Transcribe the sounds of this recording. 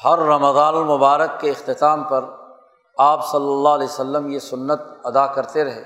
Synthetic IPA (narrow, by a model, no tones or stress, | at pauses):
hɐɾːɐməd̪aːnʊlmʊbaːɾəkːeɪxt̪ɪt̪aːmpɐɾ | aːpsɐlːəlːaːɦlɛːjsəlːəmjesʊnːət̪̚ɐd̪akɐɾt̪eɾɐɦḛː